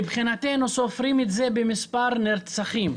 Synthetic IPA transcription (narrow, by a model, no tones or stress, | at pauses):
ibχinat̪enuso̞fʁimet̪ze̞bemispaʁneʁt͡saχim